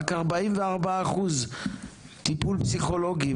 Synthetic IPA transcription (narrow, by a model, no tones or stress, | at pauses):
kaʁbaimveaʁbaaχuz | tipulpsiχo̞loɡi